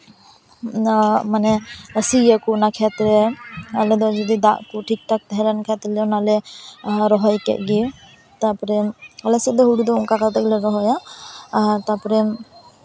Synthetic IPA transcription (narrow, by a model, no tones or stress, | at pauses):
manɛəsiəkunakʰɛt̪ɾɛalɛd̪ɔd͡ʒɔd̪id̪aʔkuʈʰik̚t̪ʰak̚t̪ɛɦɛlankʰɛt̪ɾɛlɛɔnalɛ | ɾɔɦɔjkɛ̰ʔ̚ɡi | t̪apɔɾɛalɛsɛd̪ɔɦuɽud̪ɔuŋkakat̪ɛk̚lɛɾɔɦɔja | t̪apɔɾɛ